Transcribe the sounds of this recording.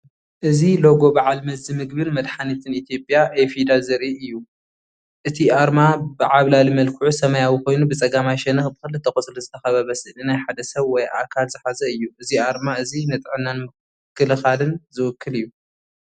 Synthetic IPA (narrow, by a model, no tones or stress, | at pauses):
ʔɨzilo̞ɡo̞bɨʕalmɐzːɨmɨɡbɨlmɐd̪ħanit̪ʰɨnit̪ʰjo̞pʼjaʔefid̪azɨɾʔiɨjːu | ʔɨt̪ʰiaɾmabɨʕaβlalimɐlkʰuʕusɐmɐjawiko̞jnubɨt͡sʼɐɡamajʃɛnɐxbɨxɨlːɨt̪ʰːɐxʼɨt͡sʼluzɨt̪ʰɐxɐβɐβɐsɨnɨnajħad̪ɐsɐβwɔjʔa̰kʰalzɨħazɐɨjːuʔɨziaɾmaɨzinɐt̪ʼɨʕɨnːanmɨ | kːɨlɨxalɨnzɨwʊkʰːɨlɨjːu